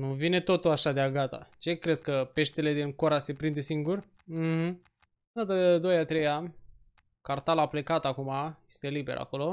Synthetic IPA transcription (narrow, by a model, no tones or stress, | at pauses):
nuvine̞t̪o̞t̪uaʃad̪eaɡat̪a̰t͡ʃe̞kɾe̞skəpe̞ʃt̪ele̞d̪iŋko̞ɾase̞pɾind̪e̞siŋɡur̩ | h̩ | d̪at̪əd̪ojat̪ɾe̞ja | kart̪alaple̞kat̪akumaje̞st̪e̞libe̞̰ɾa̰ko̞lo̞